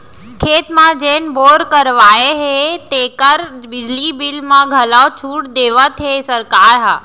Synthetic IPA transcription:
kʰeːt̪mãd͡ʒeːn̆boːɾkəɾʋaːeɦet̪eːkəɾbɪd͡ʒlibɪlmãɡʱɐlat͡ʃʰuːʈd̪eːʋət̪ɦesəɾkaːɾɦaː

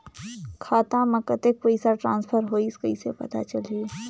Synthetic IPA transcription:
kʰaːt̪ãmɐkət̪ekʋoːisaʈɾãːnspʰəɾɦoːiskəisepɐ̰t̪a̰t͡ʃɐlie

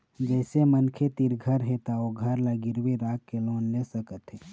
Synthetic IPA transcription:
d͡ʒɛːsemənkʰet̪iɾɡʱəɾɦet̪aoɡʱəɾlaɡɪɾwiɾaːkːeloːnlesəkət̪ɦɛː

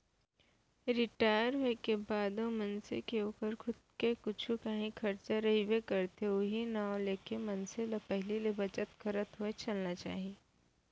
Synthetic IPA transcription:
ɾɪʈaːɪəɾɦoekebaːd̪omɐnsḛkeoːkəɾkʰʊd̪̚kekʊt͡ʃʰukɐɦĩkʰɐɾt͡ʃaɾɐɦibekɐɾt̪eʊɦinaːõleːkemɐnselɐpɛɦlilebɐt͡ʃət̪xɐɾət̪ɦoet͡ʃɐlnat͡ʃa̰ːɦieː

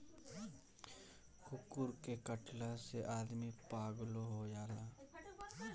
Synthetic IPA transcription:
xʰʊkʊɾkekəʈlãseʔaːd̪mipaːɡloɦojaːlaː

